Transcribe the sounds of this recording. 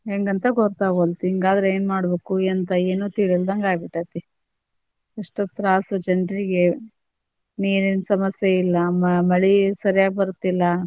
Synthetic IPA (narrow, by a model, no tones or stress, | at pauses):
ɦeːŋɡɐnt̪ɐɡɔɾt̪aːɡolt̪iŋɡaːd̪ɾeeːnmaːɽbeːkuent̪ɐeːnuːt̪iːɭild̪ɐŋɡaːjbiʈːat̪ːi | iʂʈɐt̪ɾaːsɐd͡ʒɐnɖɾiɡe | niːɾinsɐmɐsjeilːɐmɐmɐɭisɐɾijaːɡebɐɾut̪ːilːɐ